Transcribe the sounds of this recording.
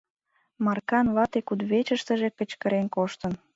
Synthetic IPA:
mɑrkɑnβɑt̪ekud̪βet͡ɕəʃt̪ə̆ʒekə̆t͡ɕkəɾenkoʃt̪ən

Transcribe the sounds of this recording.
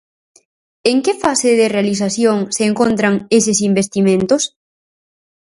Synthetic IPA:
eŋkɪfasɪðɪrealiθ̬aθjoŋseːŋkont̪ɾaŋesɪsimbest̪imẽnt̪ʊs

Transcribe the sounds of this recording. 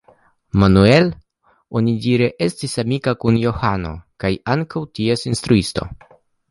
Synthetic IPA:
manue̞l | o̞nidiɾeʔe̞stisamikakunjo̞hano̞̰kajaŋkawtiesinstɾuisto̞̰

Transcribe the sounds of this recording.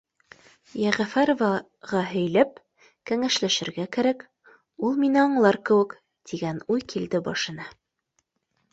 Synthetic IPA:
jæʁæfæɾovɑ | ʁɑɦɵ̆jlæp̚ | kæŋæʃlæʃɘ̆ɾɡækæɾæk | ulˠminɘɑɴlˠɑɾkɘ̆wɘ̆k | t̪iɡænujkild̪ɘbɑʃɤ̆nɑ

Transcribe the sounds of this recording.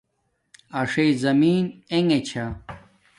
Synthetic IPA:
ɐʂejzɐmiːneŋet͡ɕʰa

